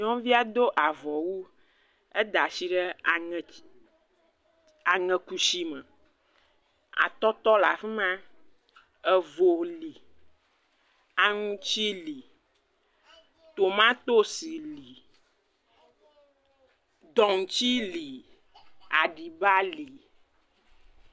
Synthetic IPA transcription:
ɲɔ̃˦vi˦a˦d̪o˦ʔa˨vɔ˨wu˦ | e˦d̪a˨si˨ɖɛ˦˨ | a˨ŋɛ̃˨ku˨ʃi˦mə˨ | a̰˨t̪ɔ˦t̪ɔ˦la˨fi˦mã˦ | ɛ˨vo˨li˨ | a˨ŋũ˦t͡ɕi˦li˨ | t̪o˨mã˦t̪o˦si˨li˨ | d̪ɔ˨ŋ˨t͡ɕi˦li˨ | a˨ɖi˨ba˦li˨

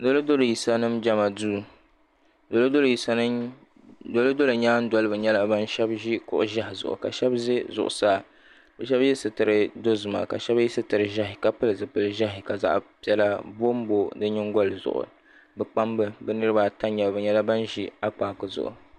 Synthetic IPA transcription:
do˦ldo˦lo˨ji˨sa˦nɨ˦md͡ʒa˦ma˨duː˦ | do˨lɨ˦do˦lji˨sa˦ | do˦lɨ˦do˦lɨ˨ɲaː˦n̩˦dɔ˨lɨ˦bɨ˨ɲɛ˦la˦ba˦n˦ʃɛ˦bʒi˦kʊ̰˨ʔʊ˨ʒa˦hɪ˨zʊ̰˨ʔʊ̰˨ka̰˨ʃɛ˦bze˦zʊ̰˨ʔʊ̰˨saː˦˨ | bɛ˨ʃɛ˦bji˦sɨ˨tɨ˨ɾɨ˨do˦zʊ˨ma̰˨ka˨ʃɛ˦bji˦sɨ˦tɨ˨ɾɨ˨ʒa˦ɦɪ˨ka˨pɨ˦lɨ˨zɨ˨pɨ˨lɨ˨ʒa˦ɦɪ˨ka˨za̰˦ʔpi˦ɛ˦la˦bo˦m˦bo˦dɨ˦ɲɪ˦ŋɡɔ˦lɨ˨zʊ̰˨ʔʊ̰˨ | bɨ˨k͡pa˦mbɨ˦bɨ˦nɨ˦ɾɨ˦ba˨ta˦ɲɛ˨bbɨ˨ɲɛ˦la˦ba˦nʒi˦a˦k͡paː˨kɨ˨zʊ̰˨ʔʊ̰˨

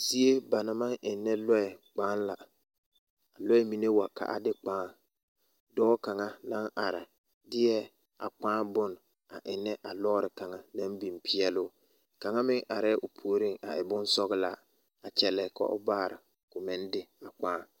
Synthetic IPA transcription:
si˦e˦ba˨na˨ma˦ŋʔɪ˨nːɛ˦lɔ˦ɛ˨k͡paː˦nla˨ | a˨lɔ˦ɛ˦mi˨ne˦wa˨ka̰˨ʔa̰˨dɪ˦k͡paː˦ | dɔː˦ka˨ŋa˦na˦ŋʔa˨ɾɪ̰˨ | dɪ˦jɛ˦ | a̰˨k͡paː˦bʊ˦n | a˨ʔɪ˨nːɛ˦ʔa˨lɔː˦ɾɪ˨ka˨ŋa˦na˦mbi˨mpʰɪ˦ɛ˦lʊ˦ | ka˨ŋa˦mɪ˦ŋʔa˨ɾɛ˦ʔʊ˨pʰuː˨ɾi˦ŋa̰˨ʔɪ˨bʊ˦n˦sɔ˦ɣɪ˦la̰˨ | a˨t͡ʃɛ˨lɛ˨ka̰˦ʔʊ̰˦baː˦˨ɾɪ˨ | kʊ˨mɪ˦ndɪ˦a˨k͡pãː˦

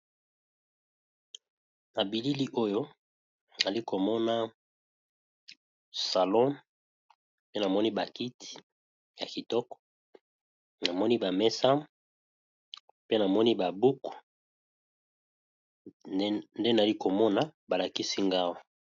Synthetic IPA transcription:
na˨bi˨li˦li˦ʔo˦jo˦ | n˨a˨li˦ko˨mɔ˦na˦ | sa˨lɔ˦m | pe˦na˨mɔ˦ni˦ba˨ki˦ti̥˨ | ja˨ki˨tɔ˦kɔ̥˨˦ | na˨mɔ˦ni˦ba˨mɛ˦sa˦ | pe˦na˨mɔ˦ni˦ba˨bu˦ku̥˨ | nde˦n˨li˦ko˨mɔ˦na˦ba˨la˨ki˦si˦ŋɡa˦wa˨

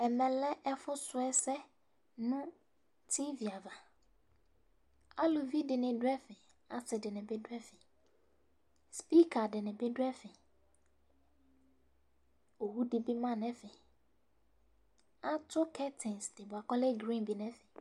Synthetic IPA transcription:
ɛ˨mɛ̃˨lɛ˦ʔɛ˦fʊ˦sʊ˨ɛ˦sɛ˦ | nʊ̃˦ | tʰi˦vi˨a˨va˨ | a˦lo˨vi˦dɪ˨nɪ̃˨dʊ˦ɛ˦fɪ˨ | a˨sɪ˨dɪ˨nɪ̃˨bɪ˦dʊ˦ɛ˦fɪ˨ | spi˦kʰa˨dɪ˨nɪ̃˨bɪ˦dʊ˦ɛ˦fɪ˨ | o˨hu˦dɪ˦bɪ˦mã˦˨nɛ̃˦fɪ˨ | a˦tʰʊ˦kʰɛ˦tʰɪ̃˨nsdɪ˨bʊ˨a˨kɔ˦lɛ˦ɡɾĩ˦nbi˨nɛ̃˦fɪ˨

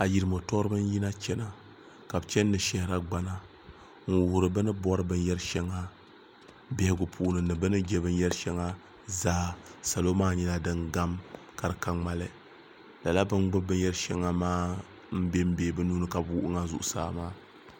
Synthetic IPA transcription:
a˨ji˨ɾɨ˨mo˨tɔ˦ɾɨ˦bɨ˦n˦ji˦na˦t͡ʃɛ˦na˦ | ka˨bɨ˨t͡ʃɛ˦nː˦ɨ˨ʃɛ˦hɪ˦ɾa˦ɡ͡ba˦na˦ | ŋ̩˦wʊ˨hʊ˨ɾɨ˨bɨ˦nɨ˦bɔ˦ɾɨ˦bɨ˦n˦jɛ˦ɾʃɛ˦ŋːa˦ | bɛ˨hɪ˨ɡʊ˨pʰu˨ʔnɨ˨nɨ˨bɨ˦nɨ˦d͡ʒɛ˦bɨ˦n˦jɛ˦ɾʃɛ˦ŋːa˦ | zaː˦sa˨lo˦maː˦ɲɛ˦la˦dɨ˦ŋɡa˦m | ka˨ɾɨ˨ka˦ŋ͡ma˦lɨ˦ | la˨la˦bɨ˦nɡ͡bɨ˦bɨ˦n˦jɛ˦ɾʃɛ˦ŋːa˨maː˦ | m̩˦be˦m̩˦beː˨bɨ˦nuː˦nɨ˦ka˨buː˦ʔʊ˦ŋa˦zʊ̰˨ʔʊ˨sa̰ː˦maː˦

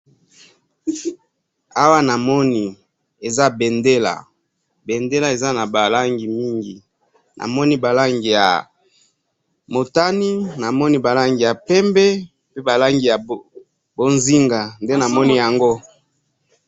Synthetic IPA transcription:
a˦wa˦na˨mɔ˦ni˦ | e˨za˦be˨nde˦la̰˨ | be˨nde˦la˦e˨za˦na˨ba˨la˦ŋɡi˨mi˦ŋɡi˨ | nʔa̰˨mɔ˦ni˦ba˨la˦ŋɡi˨ja̰˨ | mo˨ta˦ni˦na˨mɔ˦ni˦ba˨la˦ŋɡi˨ja˨pɛ˦mbɛ˦ | pe˦ba˨la˦ŋɡi˨ja˨ | bo˦nzi˦ŋɡa˨nde˦na˨mɔ˦ni˦ja˨ŋɡo˦

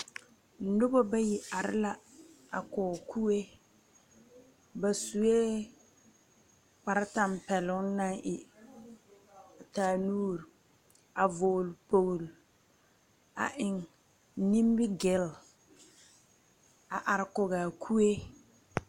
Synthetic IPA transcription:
n̩˨dʊ˦bɔ˦ba˦ji˨ʔa˨ɾɪ̰˦la˦ | a˨kɔː˨kʰu˦e˦ | ba˨su˨e˦ | k͡pa˨ɾa˦ta˦˨mpɛ˨lʊ˦na˦ŋʔɪ˨ | a˨taː˨nuː˦ɾ | a˨voː˨lpo˦˨ɣl | a̰˨ʔɪ˨ŋ | ni˦m˦bɪ˦ɡɪ˨l | a˨ʔa˨ɾɪ˨kʊ˨ɣaː˨kʰu˦e˦

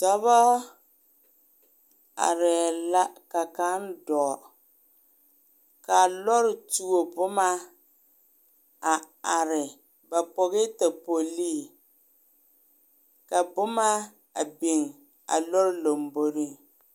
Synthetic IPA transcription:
tɔ˦bɔ˦ | a̰˨ɾɛ˨la˦ka˨ka˦n˦dɔ˨ | ka˨lɔ˦ɾɪ˨tu˦o˨bʊ˦ma˦ | a˨ | a˨ɾɪ˨ | ba˨pɔ˨ɣɪ˦ta˨po˨liː˦˨ | ka˨bʊ˦ma˦ | a̰˨bi˨ŋ | a̰˨lɔ˦ɾɪ˦lo˨mbo˦ɾi˦ŋ

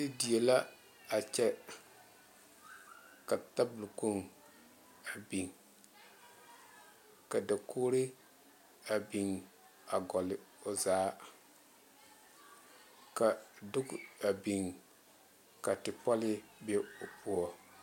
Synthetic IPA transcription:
tɪ˦di˨e˨la˦ | a˨t͡ʃɛ˦ | ka˨ta˦bʊ˨lko˦ŋ | a˨bi˨ŋ | ka˨da˨kʰoː˦ɾɪ˦ | a˨bi˨ŋ | a˨ɡɔ˨lɪ˨o˨zaː˨˦ | ka˨dʊ˦ɡa˨bi˨ŋ | ka˨tɪ˨pɔ˦lɪ˦be˦o˨pu˦ɔ˨

